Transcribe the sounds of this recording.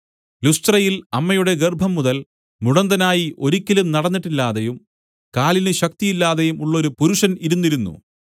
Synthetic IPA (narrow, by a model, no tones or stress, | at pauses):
lust̪rɐjilɐmːɐjuɽe̞ɡerbʱɐmːuðɐl | muɽɐnd̪ɐnaːjiʔo̞ɾikʲːɐlumnɐɽɐnːiʈːilːaːðejum | kaːlinɨɕɐk̚t̪ijilːaːðejumuɭːɐo̞ɾupuɾuʂɐniɾunːiɾunːṵ